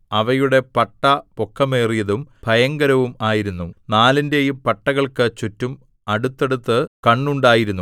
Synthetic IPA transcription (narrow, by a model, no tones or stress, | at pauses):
ɐʋɐjuɽe̞pɐʈːɐpokːɐmeːrijɐðumbʱɐjɐŋɡɐɾɐʋumaːjiɾunːunaːlinde̞jumpɐʈːɐɣɐɭkɨt͡ɕutːum | ɐɽut̪ːe̞ɽut̪ːɨkɐɳːuɳɖaːjiɾunːu